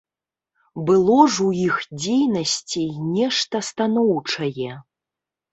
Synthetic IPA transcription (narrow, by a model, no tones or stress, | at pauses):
bɨlˠɔʐuixd͡zʲejnɐsʲt͡sʲenʲɛʂt̪ɐst̪anɔwt͡ʂɐjɛ